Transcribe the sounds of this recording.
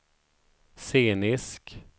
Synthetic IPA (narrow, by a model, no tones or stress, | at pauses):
seːnɪsk